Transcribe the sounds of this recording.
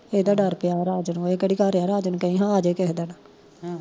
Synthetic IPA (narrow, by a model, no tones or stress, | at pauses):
eːd̪aːɖəɾpɪjaːɾaːd͡ʒnũeːkəɽiːkaɾjaːɾaːd͡ʒnũːkəĩːɦãːaːd͡ʒeːkɛːd̪eːnaː